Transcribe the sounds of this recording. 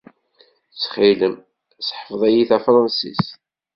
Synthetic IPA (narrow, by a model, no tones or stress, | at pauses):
t͡sːχiləm | sħəfðˤæjiθæfɾˤɑnsḭs